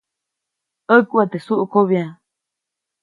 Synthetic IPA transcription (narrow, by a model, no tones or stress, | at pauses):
əkuat̪esuʔukoβjã